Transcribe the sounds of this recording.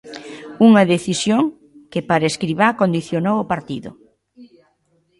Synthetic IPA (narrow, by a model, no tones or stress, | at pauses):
uŋɐðeθisjoŋ | kɪpaɾeskɾiβaɾkond̪iθjonowʊpaɾt̪iðʊ̰